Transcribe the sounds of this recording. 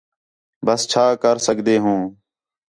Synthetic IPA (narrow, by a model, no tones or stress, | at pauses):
bəst͡ʃʰaːkəɾsəkd̪eːɦũː